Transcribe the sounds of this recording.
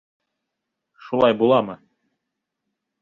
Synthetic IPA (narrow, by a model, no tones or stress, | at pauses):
ʃulˠɑjbulˠɑmɤ